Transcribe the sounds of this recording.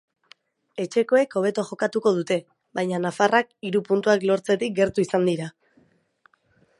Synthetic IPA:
e̞t͡ʃe̞ko̞e̞ko̞β̞e̞t̪oaʝo̞kat̪uko̞ð̞ut̪e̞ | βajɲanafarak̚iɾupunt̪uaklo̞ɾt͡se̞t̪ik̚ɡe̞ɾt̪uisand̪iɾa

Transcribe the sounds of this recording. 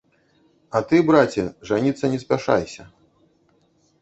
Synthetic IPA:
ɐt̪ɨbɾat͡sʲɛʐanʲit̪sːɐnʲɛspʲaʂa̰jsʲɐ

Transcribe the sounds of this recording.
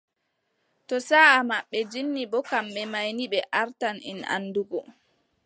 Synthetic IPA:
tɔsaːamaɓːɛd͡ʒinːibɔkamɓɛmajniɓɛʔaɾtanḭna̰nːduɡɔ

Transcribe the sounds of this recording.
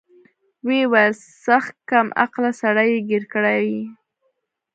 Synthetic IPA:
wewajl | saxt̪̚kamʔa̰qlasaɽajeɡeɾkəɽawi

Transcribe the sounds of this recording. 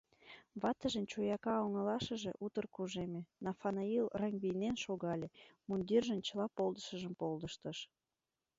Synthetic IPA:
βɑt̪əʒənt͡ɕojɑkɑoŋəlɑʃə̆ʒḛʔut̪ərkuʒemenɑfɑnɑilrɑŋɡβijnenʃoɣɑlʲemund̪ʲirʒənt͡ɕəlɑpolˠd̪əʃəʒə̆mpold̪əʃt̪əʃ

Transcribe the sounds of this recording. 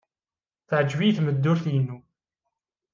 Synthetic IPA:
θʕəd͡ʒvijθməd̪ːʊɾθjənːu

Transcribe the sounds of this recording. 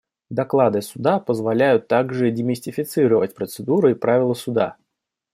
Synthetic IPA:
d̪ɐklˠad̪ɨsʊd̪apəzvɐlʲæjʊt̪ːaɡʐɨdʲɪmʲɪsʲtʲɪfʲɪt̪sɨɾəvətʲpɾət̪sɨd̪uɾɨipɾavʲɪlˠəsʊd̪a̰

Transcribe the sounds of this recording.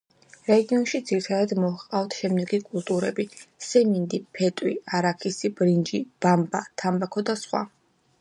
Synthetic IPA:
ɾɛɡiɔnʃid̪z̥iɾit̪ʰad̪ad̪mɔaqʼaft̪ʰʃɛmd̪ɛɡikʼulˠt̪ʼuɾɛ̰bisɛmind̪ipʰɛt̪ʼwiaɾakʰisib̥ɾind͡ʒib̥ambat̪ʰambakʰɔd̪asχwa̰

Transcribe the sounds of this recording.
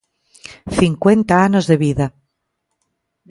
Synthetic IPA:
θiŋkwent̪aanozðeβiða

